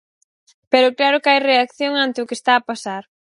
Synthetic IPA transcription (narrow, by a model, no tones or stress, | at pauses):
pɛɾʊklaɾʊkɪajreakθjoŋant̪ɪʊkɪst̪aːpasaɾ